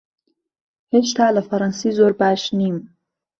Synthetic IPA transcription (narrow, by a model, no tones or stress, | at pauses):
het͡ʃt̪aləfaɾɑnsizoɾbaʃnim